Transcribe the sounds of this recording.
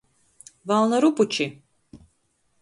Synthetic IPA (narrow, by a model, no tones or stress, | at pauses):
valˠnaɾuput͡ʃʰi